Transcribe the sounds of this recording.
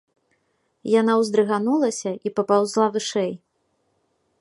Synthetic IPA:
janawzd̪ɾɨɣanulˠɐsʲɐʔipɐpawzlˠavɨʂɛj

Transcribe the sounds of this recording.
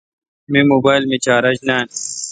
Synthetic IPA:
mimoːbaːjlmit͡ɕaːɾɐd͡ʑnaːn

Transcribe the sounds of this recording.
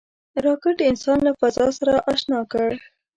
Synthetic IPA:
ɾɑkɪʈɪnsɑnlafazɑsaɾaʔɑʃnɑkəɽ

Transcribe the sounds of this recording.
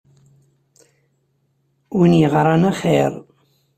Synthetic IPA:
winjəʁɾˤɑnæχeɾˤ

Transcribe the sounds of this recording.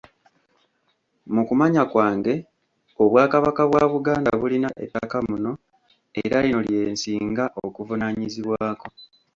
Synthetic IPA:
mukumaɲakwaːŋɡe̞ | oβwaːkaβakaβwaːβuɡaːndaβulinaʔḛtːakamuno̞ | ḛɾalino̞lje̞ːnsiːŋɡaʔokuvunaɲiziβwaːko̞

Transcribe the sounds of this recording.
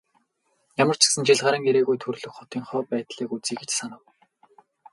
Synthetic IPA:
jamə̆r̥t͡ɕʰɪ̥̆ksə̆nt͡ɕiɮʁaːɾə̆ŋeɾeːɣujt̪ʰɵrɮɵ̆kχɔt̪iːŋχɔːpæːt̪ɮiːkut͡siːkĕt͡ɕsanə̆w

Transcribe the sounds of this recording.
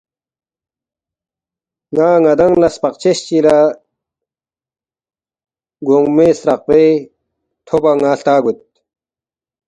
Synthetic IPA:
ŋaːŋɐd̪ɐŋlɐspɐqt͡ɕeɕt͡ɕila | ɡoŋɡmeːsɾɐq̚pe | t̪ʰobɐŋaːɬt̪aːɡut̪̚

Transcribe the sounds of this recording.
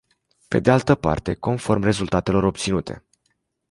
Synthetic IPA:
pe̞̰d̪e̞alt̪əpa̰rt̪e̞ko̞nfo̞rmre̞zult̪at̪e̞lo̞ɾo̞p̚t̪sinut̪ʰe̞̰

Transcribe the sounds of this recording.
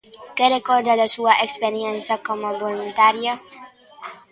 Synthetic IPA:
kerekoɾd̪ad̪esuaʔekspeɾjensjakomoβolunt̪aɾja

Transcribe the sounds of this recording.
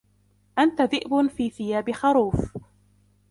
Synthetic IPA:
ʔant̪aðɪʔbʊfiːθɪjaːbɪxɑɾˤuːf

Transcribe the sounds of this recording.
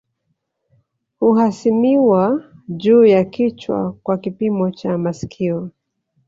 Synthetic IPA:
huhasimiwaʄuːjakit͡ʃwa̰kwakipimɔt͡ʃamasi̥kʰiɔ

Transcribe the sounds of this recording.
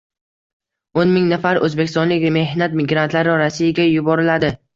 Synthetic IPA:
onmɪŋnafaɾɵzbe̞kʲʰɪst̪ɒnlɪkʲme̞hnat̪mɪɡɾant̪ʰlaɾɪɾasijaɡʲajʊbɒɾɪlad̪ɪ

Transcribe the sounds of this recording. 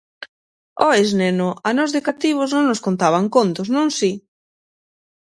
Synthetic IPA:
ɔeznenʊanɔzðɪkat̪iβ̞oznõŋnoskont̪aβaŋkont̪oznõŋsi

